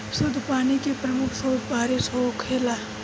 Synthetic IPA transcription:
sʊd̪ʱpaːnikepɾɐmʊkʰsoːd̪̚ʱpaːɾesokʰeːlaː

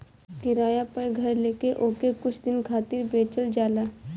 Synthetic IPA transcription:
kɪɾaːjapɐɾɡʱɐɾleːkeʔoːkekʊt͡ʃʰd̪ɪnkʰaːt̪ɪɾbeːt͡ʃəld͡ʒaːlaː

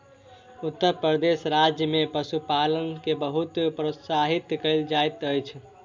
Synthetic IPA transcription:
ut̪ːəɾpɾəd̪esɾad͡ʒjəmepəsupalənkebəɦut̪pɾot̪saɦit̪kəjld͡ʒajt̪əjt͡ʃʰ

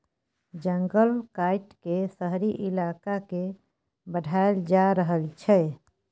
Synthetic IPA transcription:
d͡ʒəŋɡəlkaiʈkesəɦɾiʔilakake | bəɖʱaeld͡ʒaɾəɦəlt͡ʃʰɛ

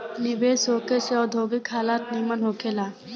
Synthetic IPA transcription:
nɪbeːsoːkeseɔːd̪ʱoːɡɪkɦaːlaːt̪niːmənɦoːkʰeːlaː

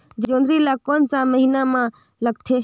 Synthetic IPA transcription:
d͡ʒõːnd̪ɾilakoːnsãməɦinamã | ləɡ̚t̪ʰeː

